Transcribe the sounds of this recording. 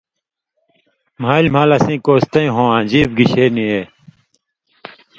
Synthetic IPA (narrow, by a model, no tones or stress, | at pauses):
m̤aːlʲm̤aːlɐsĩːkoːst̪ɐ̃ĩɦõːãːd͡ʑiːbɡiɕeːnĩeː